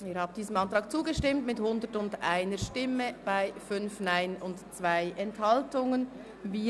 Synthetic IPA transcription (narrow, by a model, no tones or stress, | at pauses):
iːɾhaːb̚d̥iːzəmɑntʁ̥ɑːk̚t͡suːɡəʃtɪmtmɪthʊndətʊndʔa̰ɪnəɾʃtɪməb̥aɪfʏnfnaɪnʊntt͡sv̥aɪʔɛnthɑltʊŋən | viː